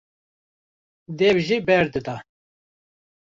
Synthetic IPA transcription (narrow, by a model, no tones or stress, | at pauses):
d̪eːwʒibɛɾd̪ɨd̪a